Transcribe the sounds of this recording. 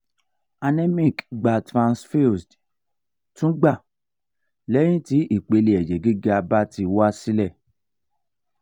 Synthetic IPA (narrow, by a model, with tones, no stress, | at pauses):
a˧nẽ˦mĩ˦˨kɡ͡ba˨tɾã˧nsfi˦sd | tũ˦ɡ͡ba˦˨ | lɛ̃˦ĩ˦ti˨˦i˦˨k͡pe˧le˨ɛ˨d͡ʒɛ˨ɡi˦ɡa˧ba˦ti˧wa˦si˦lɛ˦˨